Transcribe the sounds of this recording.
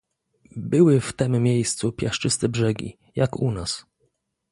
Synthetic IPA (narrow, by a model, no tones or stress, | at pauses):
bɘwɘft̪ɛmːʲjejst̪supʲjaʂt͡ʂɘst̪ɛbʐɛɡʲḭ | jakunas